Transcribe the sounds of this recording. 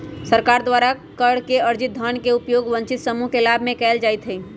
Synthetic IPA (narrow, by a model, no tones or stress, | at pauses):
səɾkaɾd̪waɾakəɽ̤keəɾd͡ʒit̪̚d̪ʱənkeupjoːɡʋə̃nt͡ʃit̪səmuɦkelabʱmẽkɛːld͡ʒajt̪ɦɛi